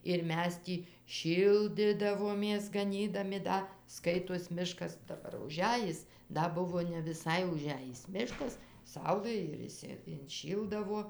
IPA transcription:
ɪr ˈmʲɛs ˈtʲiː ˈʃʲiːlʲdʲɪdɐʋoːmʲeːs ɡɐˈnʲiːdɐmʲɪ ˈdɐ ˈskɐɪtoːs ˈmʲɪʃkɐs dɐˈbɐr ʊˈʒʲæːjɪs ˈdɐ ˈbʊʋoː nʲɛ ʋʲɪˈsɐɪ ʊˈʒʲæjɪs ˈmʲɪʃkɐs ˈsɐʊlˠɘ ɪr ɪʃʲˈsʲɪ ɪnʲˈʃʲiːlˠdɐʋoː

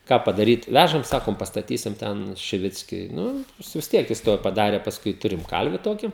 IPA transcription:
ˈkɑː pɐdɐˈrʲiːt ˈʋʲæʒɐm ˈsɑːkoːm pɐstɐˈtʲiːsʲɪm ˈtʲɛn ʃʲɪˈʋʲɪt͡sʲkʲʊɪ ˈnʊ ˈjɪs ʋʲɪs ˈtʲiɛk jɪs ˈtuɔj pɐˈdɑːrʲeː pɐsˈkʊɪ ˈtʊrʲɪm ˈkɐlʲʋʲɪ ˈtoːkʲɪ

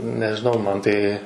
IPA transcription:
nʲɛʒʲɪˈnɐʊ ˈmɐn ˈtɐɪ

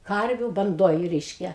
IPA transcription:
ˈkɐrʲʋʲʊ bɐnˈdoːj ˈrʲɛɪʃʲkʲɛ

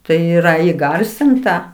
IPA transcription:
tɐɪ ˈiːrɐ iːˈɡɐrʲsʲɪntɐ

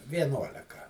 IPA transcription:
ʋʲiɛˈnuɔlʲɛkɐ

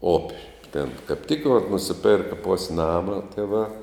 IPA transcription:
ˈoːpʲ tʲeːn kɐp ˈtʲɪk ʋɐt nʊsʲɪˈpʲɛrkɐ ˈpʊsʲ ˈnɑːmɐ ˈtʲiɛˌʋɑː

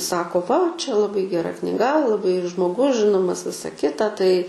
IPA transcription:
ˈsɑːkoː ˈʋɐ ˈt͡ʃʲɛ lˠɐˈbɐɪ ɡʲɛˈrɐ knʲɪˈɡɐ lˠɐˈbɐɪ ʒmoːˈɡʊs ˈʒʲɪnoːmɐs ˈʋʲɪsɐ ˈkʲɪtɐ ˈtɐɪ

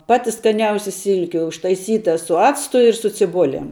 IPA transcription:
ˈpɑːtʲɪ skɐˈnʲɛʊsʲɪ ˈsʲɪlʲkʲɪ ʊʃtɐɪˈsʲiːtɐ sʊ ˈɑːt͡stʊ ɪr sʊ t͡sʲɪˈbʊlʲɛm

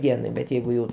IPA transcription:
ˈdʲiɛnɐɪ bʲɛt ˈjɛɪɡʊ jɛʊ

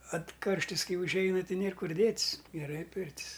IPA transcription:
ɐt ˈkɐrʲʃʲtʲɪs ˈkɐɪ ʊʒʲˈɛɪnɐ ˈtʲɪ ˈnʲeːr ˈkʊr ˈdʲeːtʲs ɡʲɛˈrɐɪ ˈpʲɪrʲtʲɪs

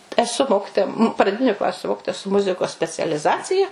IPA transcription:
ɛˈsʊ ˈmoːkʲɪtoːjɛ prɐˈdʲɪnʲʊ ˈklˠɑːsʲʊ ˈmoːkʲɪtoːjɛ sʊ ˈmʊzʲɪkoːs sʲpʲɛt͡sʲɛlʲɪˈzɑːt͡sʲɪjɛ

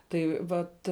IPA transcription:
ˈtɐɪ ˈʋɐt

